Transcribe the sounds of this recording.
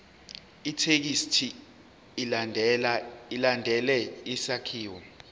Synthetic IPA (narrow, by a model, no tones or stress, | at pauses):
itʰek̬istʰi | ilandʱɛlɛisakʰiːwɔ